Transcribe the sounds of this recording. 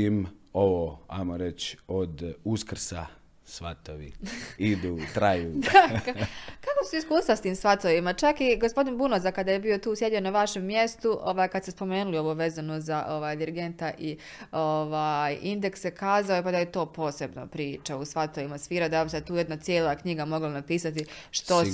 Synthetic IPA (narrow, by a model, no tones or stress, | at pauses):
imoʋoːa̰jmoɾet͡ʃod̪uskr̩sa̰ | sʋa̰t̪oʋḭid̪uːt̪ɾajuːd̪akkakosuiskuːst̪ʋast̪iːmsʋat̪oʋimat͡ʃakiɡospo̞d̪inbunozakad̪ajebio̞t̪uːsje̞d̪ionaʋaʃe̞mːje̞st̪uʔoʋaːjkad̪sespo̞me̞ːnulioboʋezanozaʔo̞ʋaːjd̪iɾiɡe̞nt̪aʔi | oʋaːjind̪e̞ksekaːzaopad̪ajet̪o̞ːpo̞ːse̞bno̰pɾiːt͡ʃausʋat̪oʋimasfiːɾad̪abiset̪uːje̞d̪nat̪sjeːlˠakɲiɡamo̞ɡlanapiːsat̪i | ʃt̪o